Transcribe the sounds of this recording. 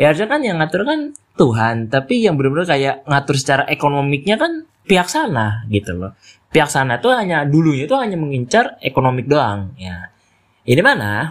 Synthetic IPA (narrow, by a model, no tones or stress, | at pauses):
jaɾd͡ʒakanjaŋat̪ʊrkant̪uɦant̪apijaŋbəlʊmbəɾʊkajaʔŋat̪ʊrs̬ə̥t͡ʃaɾaʔekonomɪk̚ɲakan | piak̚sanaɡit̪ulɔ̰ | piɦaksanaht̪uhaɲaduluɲat̪uhaɲaməŋiɲt͡ʃarekonomɪk̚doaŋja | idimana̰